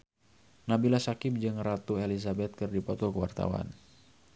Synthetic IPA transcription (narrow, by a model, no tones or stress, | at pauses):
nabilasakɪp̚d͡ʒɨŋrat̪uelisabɛt̪̚kɨrdipɔt̪ɔkəwa̰rt̪a̰wa̰n